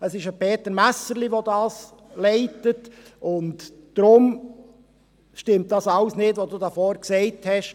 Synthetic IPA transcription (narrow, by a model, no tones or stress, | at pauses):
əsɪʃəpʰeːtəɾmæsəɾliʋodɑːs | lɛɪtətʊntd̥ɾʊm | ʃtɪmt̚d̥ɑsɑwsnɪːdʋoduːdafɔːɾksɛɪthɛʃ